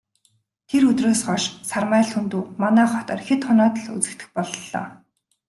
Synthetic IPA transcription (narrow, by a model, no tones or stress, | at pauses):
t̪ʰeɾɵt̪roːsɢɔʃsarmæːɮxunt̪uːmanæːχɔt̪ɔːrxet̪χɔnɔːt̪ə̆ɮut͡sɘ̆kt̪ɘ̆xpɔɮːɔ̰ː